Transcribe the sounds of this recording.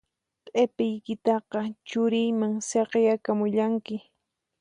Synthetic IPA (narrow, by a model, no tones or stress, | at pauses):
tʼepɪjkɪt̪ɑqɑt͡ʃʊɾɪjmaŋsɑqjakamʊʎaŋkɪ